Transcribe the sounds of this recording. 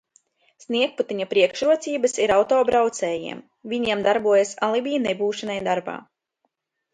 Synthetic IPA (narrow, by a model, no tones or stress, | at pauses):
sniɛk̚put̪iɲapɾiɛkʃɾuɔt̪siːbɐsiɾawt̪ɔːbɾawt̪sɛːjḭɛm | vʲiɲiɛmd̪aɾbuɔjasalˠibijnebuːʃanajd̪aɾba̰ː